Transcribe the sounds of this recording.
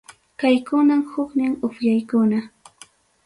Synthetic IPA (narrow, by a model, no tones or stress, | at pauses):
kajkʊnamhʊknɪŋʊpjajkʊna